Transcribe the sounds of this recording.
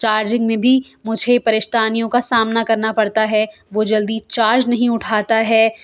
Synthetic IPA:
t͡ʃaːɾd͡ʒɪ̃ŋɡmẽbʱi | mʊd͡ʒʱepɐɾɪʃt̪aːnijõkasaːmnakɐɾnapɐɽt̪aɦɛ | ʋod͡ʒɐld̪it͡ʃaːɾd͡ʒnɐɦĩʊʈʰaːt̪aɦɛː

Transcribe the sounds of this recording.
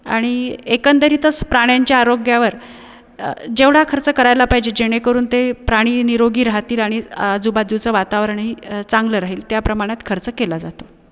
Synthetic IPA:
a̰ɽ̃iekənt̪əɾiːt̪əspɾaɽ̃jaɲt͡ɕjaːɾoɡjaʋəɾ | d͡ʑeʋɽ̤akʰəɾt͡səkəɾajlapaɦid͡ʑed͡ʑeɽ̃ekəɾuːnt̪epɾaɽ̃iːniɾoɡiːɾaɦat̪iːlaɽ̃id͡zubad̪it͡səːʋat̪aʋɾəɳɦiːt͡saŋɡləɾaɦiːlt̪japɾəmaɽ̃jat̪kʰəɾt͡səkelad͡zat̪o̥

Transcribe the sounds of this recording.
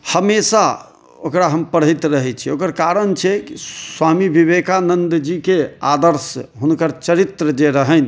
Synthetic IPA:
həmesa | o̰kɾaɦəmpəɽɦəjt̪ɾəɦɛt͡ʃʰiokəɾkaɾənt͡ʃʰɛkiswamibʱibekanənd̪d͡ʒikead̪əɾsɦunkəɾt͡ʃəɾit̪ɾəd͡ʒeɾəɦən

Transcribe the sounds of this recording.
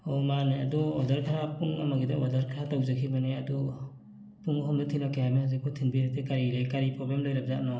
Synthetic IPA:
ɔmaneadɔɔdaɾkʰaɾapuŋamaɡidaɔdaɾkʰaɾatawzakʰimaneadɔ | pʰuŋɔɦɔmdɯtʰinɔkʰehamihazikʰɔtʰinbiɾatʰekaɾiɾejkaɾipɾɔblemlɔjɾap̚za̰ʔnɔ

